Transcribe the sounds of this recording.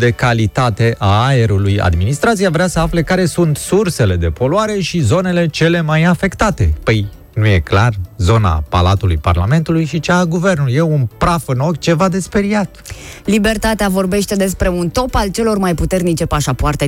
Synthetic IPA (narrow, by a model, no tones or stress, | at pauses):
d̪e̞kalit̪at̪e̞ʔaae̞ɾuluja̰d̪minist̪ɾat̪siavɾeasəafle̞kaɾe̞sunt̪surse̞le̞d̪e̞po̞luaɾe̞ʃizo̞ne̞le̞t͡ʃe̞le̞majafe̞kt̪at̪e̞̰pəj | nuje̞klarzo̞na̰pa̰lat̪ulujpa̰rlame̞nt̪ulujʃit͡ʃaɡuve̞rnuljeunpɾafɨno̞kt͡ʃe̞vad̪e̞spe̞ɾiat̪libe̞rt̪at̪eavo̞rbe̞ʃt̪e̞d̪e̞spɾe̞unt̪o̞palt͡ʃe̞lo̞rmajput̪e̞rnit͡ʃe̞paʃapoart̪e